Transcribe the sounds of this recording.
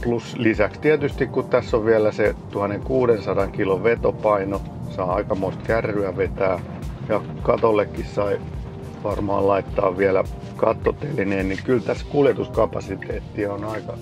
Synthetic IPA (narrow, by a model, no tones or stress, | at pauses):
pluslisækst̪iæt̪yst̪ikkut̪t̪æsːoʋʋiælæset̪uhɑnːeŋkuːɾensɑdɑŋkiloʋʋet̪opɑino | sɑːɑikɑmoist̪kærːyæʋet̪æː | jɑ | kɑt̪olːekːissɑi | ʋɑrmɑ̰ːllɑit̪ːɑ̰ːʋʋiælæ̰ | kɑt̪ːot̪ːelːineːnnikylt̪æskuljet̪uskɑpɑsit̪eːt̪ːionɑikɑ